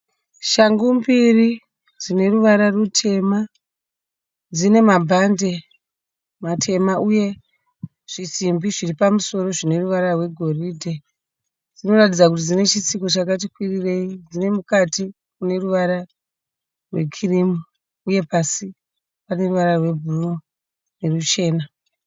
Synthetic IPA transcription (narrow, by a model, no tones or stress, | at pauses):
ʃaŋɡumbiri | d͡zine̞ruʋaɾarutʰe̞ma | d͡zine̞mabʱande̞ | matʰe̞mauje̞ | ʐ̥isimbiʐiripamuso̞ɾo̞ʐine̞ruʋaɾarwe̞ɡʱo̞riːdʱe | d͡zino̞ratid͡zakutid͡zine̞t͡ʃisiko̞t͡ʃakat̬ikwirire̞id͡zine̞mukatʰi | kune̞ruʋaɾa | rwekʰirimu | uje̞pasi | pane̞ruʋaɾarwe̞bʱuro | ne̞rut͡ʃe̞ːna